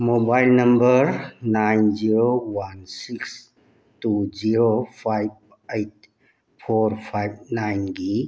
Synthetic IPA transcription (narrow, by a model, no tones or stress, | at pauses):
mobajlnɐmbəɾnajnziɾowansiks | tuziɾopʰajb̚ | ejt̚ | pʰoɾpʰajb̚najnɡi